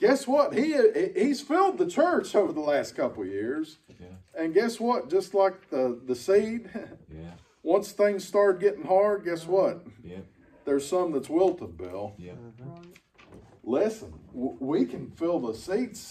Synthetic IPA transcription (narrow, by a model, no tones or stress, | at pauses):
ɡ̥ɛswʌt̚hihiz̥fɪlˠd̪̚ðɨt͡ʃʰɜ˞t͡ʃoʊvə˞ðəlæst̚kʰʌpl̩ˠjɪɹzɨ̃nɡɛswʌt̚d̥ʒ̥ʌstˡlaɪk̚ðəðɨsid̥ | wʌ̃nsθɪ̃ŋz̥stɑɹt̚ɡɛɾɪ̃ŋhɑɹd̚ɡɛswʌt̪̚ | ðə˞z̥sʌ̃mðətswɪlˠtʰəbɪ̰lˠ | lɪsə̃nwikʰɨ̃nfɪlˠðəsids